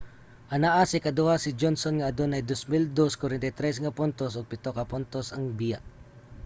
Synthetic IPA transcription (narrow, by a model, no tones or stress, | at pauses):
ʔɐnaʔasɪkɐd̪ʊhasɪd͡ʒonsonŋɐʔɐd̪onɐjd̪osmɪld̪oskwaɾɛnt̪ɐjt̪ɾɛs̬ŋɐpʊnt̪osʊɡ̚pɪt̪okɐpʊnt̪osɐŋbijaʔ